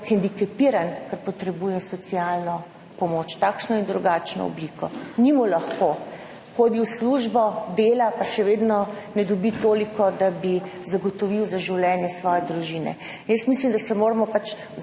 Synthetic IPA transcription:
xɛnd̪ikɛpiɾankaɾpɔt̪ɾɛbujɛsɔsialnɔ | pɔmoːt͡ʃt̪aːkʃnɔjind̪ɾuɡaːt͡ʃnɔ̰ɔ̰blikɔnimulɐxko | xoːd̪iwsluʒbɔd̪eːlapaʃɛʋeːd̪nɔnɛd̪ɔbit̪oːlikɔd̪abizaɡɔt̪ɔʋiwzaʒiwlʲɛːnjɛsʋɔjɛd̪ɾuʒinɛ̰ | injəst̪mislimd̪asɛmoːɾamɔpat͡ʃ

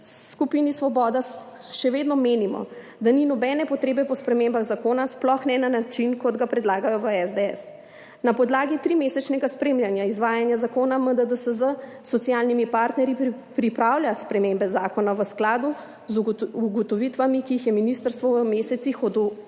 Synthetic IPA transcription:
skupinisʋɔbɔd̪a | ʃɛʋeːd̪nɔmeːnimɔ̰ | d̪aninɔbɛnɛpɔt̪ɾeːbɛpɔspɾɛmembaɣzakoːnasplɔxnɛnanat͡ʃinkɔd̪ɡapɾɛd̪laːɡajɔʋəɛzd̪eɛ̰s | napɔd̪laːɡit̪ɾimesɛt͡ʃnɛɡaspɾeːmljanjaizʋaːjanjazakoːnaməd̪əd̪əsəzə | sɔt̪sijalnimipaːɾt̪nɛɾjipɾipɾawljaspɾɛmembɛzaːkɔnaʋəsklaːd̪u | zuɡɔt̪ɔʋit̪ʋamikiixjɛminist̪əɾst̪ʋɔʋəmeːsɛt̪sixɔd̪u

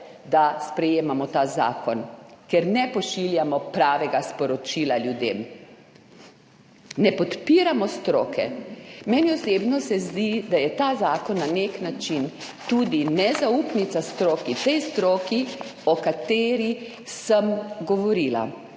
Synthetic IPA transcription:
d̪aspɾɛjeːmamɔt̪aːza̰ːkɔnkɛɾnɛpɔʃiljamɔpɾaːʋɛɡaspɔɾɔt͡ʃiːlaljud̪ḛm | nɛpɔt̪piɾamɔst̪ɾoːkʰɛ̰mɛnjɔseːbnɔsɛzd̪id̪ajɛt̪azaːkɔnːaneknat͡ʃint̪uːd̪inɛzaupnit̪sast̪ɾoːkit̪ɛjst̪ɾoːkiɔkat̪eːɾi | səmɡɔʋɔɾiːla̰

